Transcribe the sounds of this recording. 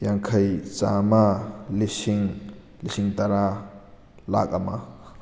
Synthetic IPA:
jaŋkʰajt͡ʃamalisiŋ | lisiŋtaɾa | la̰k̚ɐmɐ

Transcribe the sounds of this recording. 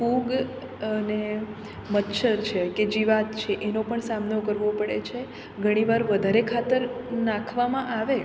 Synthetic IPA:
puɡ | əne | mət̪ːʃəɾt͡ʃʰeked͡ʒiʋat̪t͡ʃʰeʔenopəɳsamnokəɾʋopəɽḛt͡ʃʰe | ɡʱəɽ̃iʋaɾʋəd̪ʱaɾekʰat̪əɾnãkʰʋamãʔaʋe

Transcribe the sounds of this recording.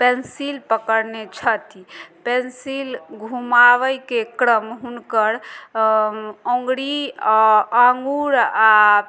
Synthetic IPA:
pensilpəkəɾnet͡ʃʰət̪ipensilɡʱumaʋəjkekɾəmɦunkəɾ | õŋɡɽi | aŋɡuɾa

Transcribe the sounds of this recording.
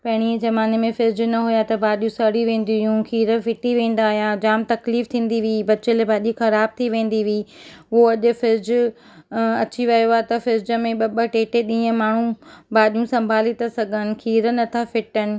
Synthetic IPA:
pɐɦɪɽ̃izɐmaːnemẽfɪɾɪd͡ʑʊnɐɦujat̪ɐbaːɗijũsɐɽiʋẽːn̆d̪ijũkʰiːɾə̆fɪʈiʋẽːn̆d̪aːɦijad͡ʑaːmt̪ɐkliːft̪ʰĩːn̆d̪iʋiːbɐt͡ɕɪlbaːɗixɐɾaːb̚t̪ʰiʋẽːn̆d̪iʋiː | ʊɦoɐʄʊ̆fɪɾd͡ʑʊ | ɐt͡ɕiʋɐjoaːt̪ɐfɪɾd͡ʑəmẽɓɐɓə̆ʈeːʈeɗĩːə̃maːɳ̤ũbaːɗijũsɐ̃mbʱaːlit̪asɐɡʱənɪ̆kʰiːɾənɐt̪ʰafɪʈənɪ̆

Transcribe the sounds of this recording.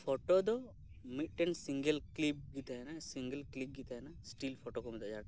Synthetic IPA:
pʰoʈod̪o | miʈːensĩŋɡəlklip̚ɡit̪aɦɛnasiŋɡəlklip̚ɡit̪aɛnasʈiːlpʰoʈokomit̪ad͡ʒaːʈ

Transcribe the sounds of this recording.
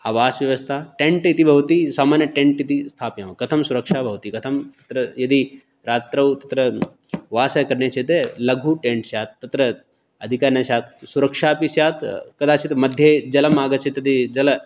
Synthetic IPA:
aːʋaːsʋjɐʋɐst̪ʰaʈẽɳʈit̪ibʱɐʋt̪isaːmaːnjɐʈẽɳʈit̪ist̪ʰaːpjãːʋkɐt̪ʰɐmsuɾɐkʂaːbʱɐʋt̪iːkɐt̪ʰɐmtt̪ɐt̪ɾɐjɐd̪i | ɾaːt̪ɾɐwt̪ɐt̪ɾɐ | ʋaːsɐkɐɾɳjet͡ʃʰet̪elɐɡʱuʈẽɳʈsjaːt̪ːɐt̪ɾɐ | ɐd̪ʱikaːɾnasjaːt̪suɾɐkʂaːpisjaːt̪kɐd̪aːt͡ʃʰit̪mɐd̪ʱjed͡ʒɐlɐmaːɡɐt͡ʃʰet̪ɐd̪id͡ʒɐl

